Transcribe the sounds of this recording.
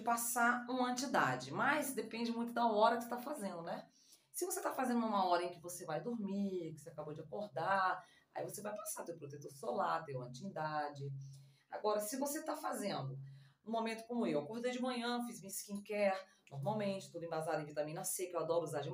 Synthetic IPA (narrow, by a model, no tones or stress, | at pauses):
d͡ʒɪpasaũmɐɐ̃t͡ʃid̪ad͡ʒɪmɐjsd̪epẽnd͡ʒɪmũj̃t̪̬ʊd̪ɐɔɾɐkɪ̥se̥t̪afazẽnd̪ʊnɛ | sɪvoset̪afazẽnd̪ʊʊũmɐɔɾɐẽj̃kɪvosevajd̪oɾmiɾkɪseakabod͡ʒɪakoɾd̪a | a̰ivosevajpasat̪ewpɾot̪et̪oɾsolat̪ẽj̃ũmɐ̃t͡ʃimid̪ad͡ʒɪ | a̰ɡɔɾɐsɪvoset̪afazẽnd̪ʊũmõmẽnt̪ʊ̥kõmʊewɐkuvid̪ɐd͡ʒɪmɐ̃ɲɐ̃fizmiskĩkɛɾ | noɾmawmẽnt͡ʃɪ̥t̪ud̪ʊẽbazad̪ʊẽvit̪ɐ̃mĩnɐsekewad̪ɔɾʊuzad͡ʒ